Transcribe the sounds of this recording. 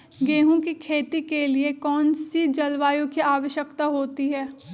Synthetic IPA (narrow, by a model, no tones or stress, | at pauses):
ɡeːɦõkikʰeːt̪ikeliekɔːnsid͡ʒɐlʋaːjõkiaːʋəʃjəkt̪aɦoːt̪iɦɛː